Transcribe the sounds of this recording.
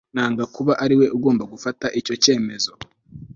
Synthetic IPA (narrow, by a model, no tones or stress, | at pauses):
naːŋɡakuβaʔaɾiwe̞ʔuɡo̞ːmbaɡufataʔico̞ce̞ːme̞zo̞